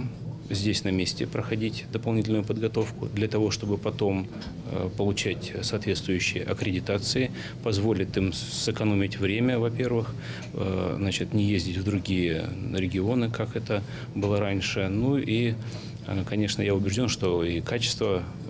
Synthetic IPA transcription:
zʲdʲesʲnɐmʲesʲtʲɪpɾəxɐdʲitʲd̪əpɐlˠnʲitʲlʲnʊjʊpəd̪ɡɐt̪o̞fkʊ̰d̪lʲɐt̪ɐvo̞ʂt̪o̞bɨpɐt̪o̞m | pəlˠʊt͡ɕætʲsɐːt̪vʲe̞t̪st̪vʊjʉɕːɪjəʔɐkɾʲɪdʲɪt̪at̪sɨɪ | pɐzvolʲɪt̪ɨm | sɨkɐno̞mʲɪtʲvɾʲemʲəvɐpʲe̞rvɨx | znat͡ɕɪt̪nʲɪjezʲdʲɪtʲvd̪ɾʊɡʲijəɾʲɪɡʲɪo̞nɨkakɛt̪ə | bɨlˠəɾanʲʂɨnuʔi | kɐnʲe̞ʂnəjaʊbʲɪʐdʲo̞nʂt̪o̞ikat͡ɕɪ̥st̪və

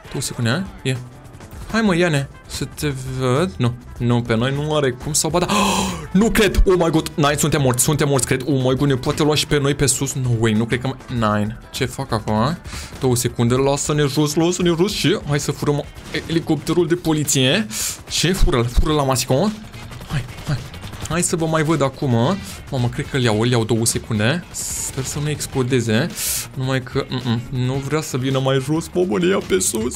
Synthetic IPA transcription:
d̪̥owəsekund̪eaje | hajməjane | sət̪evəd̪nunupeno̞jnuaɾekumsawbad̪anukɾe̞d̪omajɡut̪najnsunt̪emːort̪sʲsunt̪emːot̪sʲkɾed̪omajɡud̪nepoat̪eluaʃi̥peno̞jpe̞susnowejnukɾekəmnajn | t͡ʃe̞fakakomad̪̥o̞wəse̞kund̪elasəneʒuslosənerusʃiɦajsəfuɾəmeeliko̞p̚t̪e̞ɾuld̪e̞po̞lit̪sijeʃifuɾəlfuɾəlamasi̥koə | hajhaj | hajsəvəmajvəd̪akuma | maməkɾe̞d̪̚kəljawəljawd̪o̞wəse̞kund̪e̞spe̞rsənueksplo̞d̪e̞ze̞numajkʰəʔ̩nuvɾeasəvinəmajʒosmomənejapesus

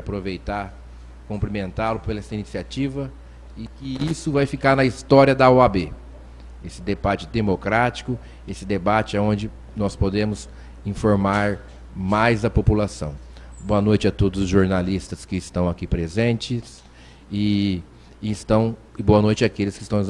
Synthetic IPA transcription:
vajapɾovejt̪aɾ | kõmplimẽnt̪alʊpelɛsɐinisiat͡ʃivɐ | ɪkɪisʊvajfikaɾnɐist̪ɔɾiɐd̪ɐɔabe | esɪd̪ebat͡ʃɪd̪emokɾat͡ʃi̥kʊ | esɪd̪ebat͡ʃɪaõnd͡ʒɪ | nɔspod̪ẽmʊs | ĩfoɾmaɾ | majzɐpopulasɐ̰̃w̃boɐnojt͡ʃɪɐt̪od̪ʊzʊzʒoɾnalist̪ɐskɪːst̪ɐ̃w̃akipɾezẽnt͡ʃɪs | ɪː | st̪ɐ̃w̃ | ɪboɐnojt͡ʃɪakelɪskɪst̪ɐ̃w̃

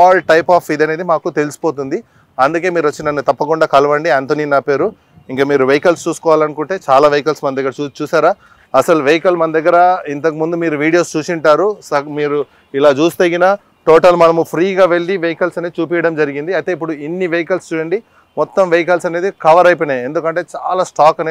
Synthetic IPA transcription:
aːlʈɐjpaːfid̪ɐneːd̪imaːkut̪e̞lisi̥po̞ːt̪̬und̪i | ɐnd̪uk̬e̞ːmiːɾuʋɐt͡ʃːinɐnːut̪ɐpːɐkuɳɖaːkɐlʋɐɳɖiaːnt̪oninaːpeːɾu | iŋkaːmiːɾuʋejikɐlst͡ʃuːsu̥kɔːʋaːlɐnukuɳʈe̞ːt͡ʃaːlaːʋejikɐlsmɐnɐd̪ɐɡːɐɾɐt͡ʃuːsaːɾaː | ɐsɐluʋejkɐlmɐnɐd̪ɐɡːɐɾɐint̪̬ɐk̬imund̪umiːɾuʋiːɽijo̞ːst͡ʃuːsiɳʈaːɾusɐmiːɾu | ilaːt͡ʃuːst̪ɐɡinaː | ʈoːʈɐlmɐnɐmupʰɾiːɡaːʋe̞ɭːiʋejikɐlsɐneːdit͡ʃuːp̬ijɐɽɐmd͡ʒɐɾiɡind̪iɐjt̪e̞ːip̬ːuɽuinːiʋejikɐlst͡ʃuːjɐɳɖi | mɔt̪ːɐmʋejikɐlsɐneːd̪ikɐʋɐɾɐjpɐnee̞nd̪ukɐɳʈe̞ːt͡ʃaːlaːsʈaːkɐneː

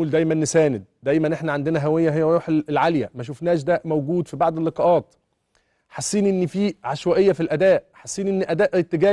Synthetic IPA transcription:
uːld̪æjmænːesæːned̪̚d̪æjmænʔeħnæʕand̪enæɦæwejːæɦejːæɾuħelʕaljæmæʃ̬ofnæːʃ̬d̪æmæwɡuːd̪fibaʕd̪elːeqɑʔɑːt̪ | ħasːiːnʔenːifiːʕaʃwæʔejːæfilʔæd̪æːʔħasːiːnʔenːiʔæd̪æːʔt̪ːeɡæː

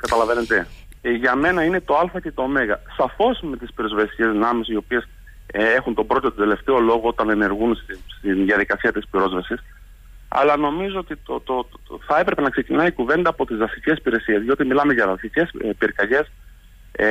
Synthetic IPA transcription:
kɐt̪ɐlɐvenet̪eʝɐme̞nɐine̞t̪o̞ɐlfɐce̞t̪ome̞ɣɐsɐfo̞sme̞t̪ispiɾo̞zvesi̥ce̞znɐmesio̞pie̞s | e̞xunt̪o̞bɾo̞t̪ot̪od̪e̞le̞ft̪e̞o̞lo̞ɣo̞o̞t̪ɐne̞ne̞ɾɣunsst̪inðiɐðikɐsiɐt̪ispɾo̞zvɐsis | ɐ̰lɐno̞mizoot̪it̪ot̪oθɐe̞pɾe̞pe̞nɐkse̞cinɐikuve̞nd̪ɐːpo̞t̪izvɐsice̞spiɾesie̞zʝo̞t̪imilɐme̞ʝɐvɐsice̞spiɾkɐʝe̞s

